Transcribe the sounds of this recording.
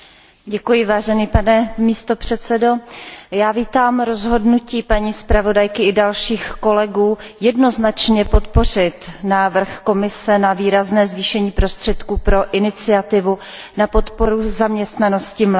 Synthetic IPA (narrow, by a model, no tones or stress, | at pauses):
ɟɛkujɪvaːʒɛniːpanɛmiːst̪o̞pr̝̥ɛt̪sɛdo̞jaːviːt̪aːmɾo̞zɦo̞dnuciːpaɲiːspɾavo̞dajkɪʔɪdalʃiːxko̞lɛɡuːjɛdno̞znat͡ʃɲɛpo̞t̪po̞r̝ɪt̪naːvr̩xko̞mɪsɛnaviːɾaznɛːzviːʃɛɲiːpɾo̞st̪r̥ɛt̪kuːpɾo̞ʔɪnɪt͡sɪat̪ɪvu | napo̞t̪po̞ɾuzamɲɛst̪nano̞scɪml